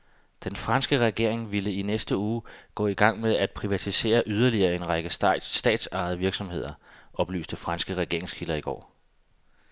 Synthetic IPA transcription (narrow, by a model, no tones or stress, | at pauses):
d̥enfʁɑ̈nsɡ̥əʁɛɡ̥e̝ɐ̰eŋʋiləinesd̥əuːɡ̥ɔ̰̽ːiɡ̥ɑ̈ŋ̰meðˠæd̥̚pʰʁiʋæt͡sʰise̝̰ːɐʔyð̞ˠɐliɐːe̝nʁɑɡ̥əssd̥ɛ̰ːd̥sɑ̈ð̩ˠʋiɐɡ̥sɒ̽mhe̝ð̞̰ˠɐʔɒ̽b̥ly̰ːsd̥əfʁɑ̈nsɡ̥əʁɛɡ̥e̝ɐ̰eŋskʰilɐiɡ̥ɒ̰ː